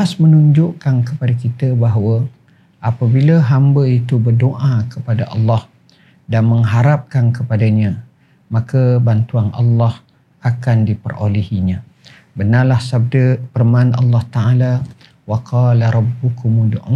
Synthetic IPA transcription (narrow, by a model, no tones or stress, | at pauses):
asmənuɲd͡ʒʊʔkankəpadakit̪əbaɦwə | ʔapəbiləɦambəit̪ubərdoʔakəpadaʔɑ̰lːɑh | danməŋɦaɾap̚kankəpadaɲã | mãkəbant̪uanʔɑ̰lːɑh | akandipərʔo̰lihiɲã | bənalahsab̚dəpərmanʔɑ̰lːɑht̪aʔala | waqʰɑlaɾˤɑbukumudoʔa